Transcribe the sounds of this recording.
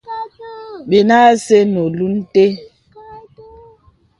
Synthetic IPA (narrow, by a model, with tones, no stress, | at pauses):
ɓe˨na˦se˦no˨lu˦n̩˦te˦